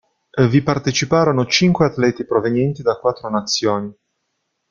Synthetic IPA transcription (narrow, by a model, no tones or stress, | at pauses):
vipart̪et͡ʃipaːɾonot͡ʃiŋkweat̪lɛt̪ipɾovenjɛnt̪id̪akwat̪ːɾonat̪sːjoːni